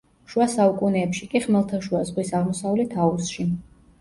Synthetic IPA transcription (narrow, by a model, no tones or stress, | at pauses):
ʃuasaukʼunɛːpʃikʼiχmɛlˠt̪ʰaʃuazʁwisaʁmɔsavulit̪ʰausʃi